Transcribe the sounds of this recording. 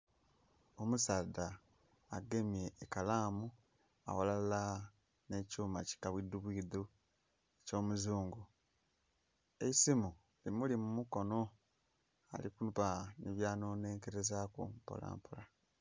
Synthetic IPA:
omusaːdaː | ɡe̞mje̞ːkalaːmu | a̰walala | ne̞cuːmaci̥kaβwid̪uβwiːðu | eco̞ːmuzuːŋɡu | eisimu | limulimumuko̞no̞ | a̰likunupaniβjaːno̞ːne̞ːŋkeɾezakumpo̰la̰ːmpula

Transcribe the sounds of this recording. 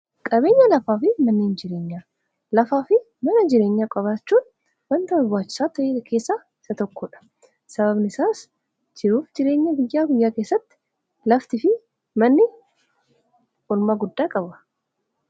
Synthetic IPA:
kʼɐbe̞ːɲːɐlɐfaːfɪmɐnːiːnd͡ʒɪɾe̞ːɲːaː | lɐfaːfɪ | mɐnɐd͡ʒɪɾe̞ːɲːaːkʼɐβaːt͡ʃːuːn | wɐnt̪ɐɐɡʊaːt͡ʃːɪ̥saːt̪ɐjeːkʰe̞ːsːaː | ɪsɐt̪ɔkːɔːᶑɐ̥ | sɐbɐbnɪsaːs | d͡ʒɪɾuːfd͡ʒɪɾe̞ːɲːɐɡʊjːaːɡʊjːaːke̞ːsːɐt̪ːɪ̥ | lɐft̪ɪfɪ | mɐnːɪ | ʔɔlmaːɡʊd̪ːaːkʼɐbɐ̥

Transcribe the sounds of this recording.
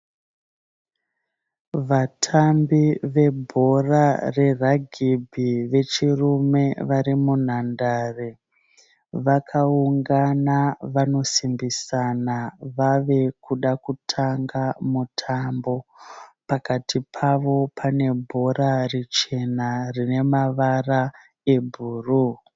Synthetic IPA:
ʋatʰambiʋe̞bʱo̞rare̞raɡʱibʱiʋe̞t͡ʃirume̞ʋaɾimun̤andaːre | ʋakʰauŋɡanaʋano̞simbisanaʋaʋe̞kuɗakutʰaŋɡamutʰambo̞pakatʰipʰaʋo̞pʰane̞bʱo̞rarit͡ʃe̞narine̞maʋara | e̞bʱuːru

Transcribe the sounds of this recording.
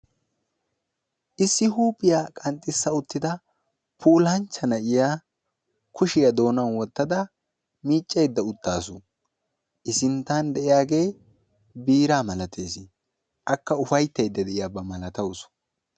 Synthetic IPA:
ʔɪsːɪɦuːpʼɪjaːkʼɐnt̪ʼːɪsːɐʊt̪ːɪd̪ɐ | pʰuːlɐnt͡ʃːɐnɐʔɪjaː | kʰʊʃɪjɐd̪o̞ːnɐnwɔt̪ːɐd̪ɐ | miːt͡ʃʼːɛjd̪ːɐʊt̪ːaːsʊ | ʔɪsɪnt̪ːand̪ɛʔɪjaːɡe̞ː | biːɾaːmɐlɐt̪ʰeːsɪ | ʔɐkːɐʊfɐjt̪ːɛjd̪ːɐd̪ɛʔɪjaːbɐmɐlɐt̪ɐws

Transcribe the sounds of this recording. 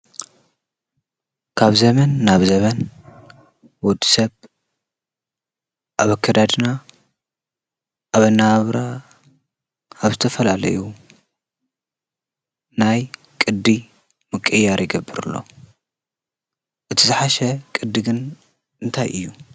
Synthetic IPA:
kʰaβzɐmɐnːaβzɐmɐn | wɔd̪ːi̥sɐβ | ʔaβakʰːɐd̪ad̪na | ʔːβɐnːaβɾa | aβzɨt̪ʰɐfɐlalɐ̰ju | naj | kʼɨd̪ːi | mɨkʼːɨjːaɾjɪɡɐbːɨɾɨ̰lːo̞̰ | ʔɨt̪ʰizɨħaʃɐkʼɨd̪ːiɡɨn | ʔɨnt̪ʰajʔɨjːu

